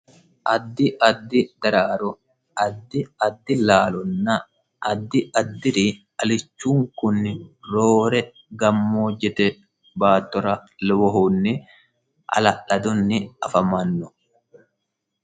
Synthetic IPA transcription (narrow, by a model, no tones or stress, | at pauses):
ʔɐd̪ːɪʔɐd̪ːɪd̪̥ɐɾaːɾɔ | ɐd̪ːɪɐd̪ːɪlaːlɔnːɐ | ɐd̪ːɪʔɐd̪ːɪɾi | ɐlɪt͡ʃːuːŋkʊnːɪɾoːɾɛ | ɡɐmːoːd͡ʒːɛt̪ɛ | baːt̪ːɔɾɐlɔwɔɦonːɪ | ʔɐ̰lɐʔɐd̪ʊnːɪɐfɐmɐnːɔ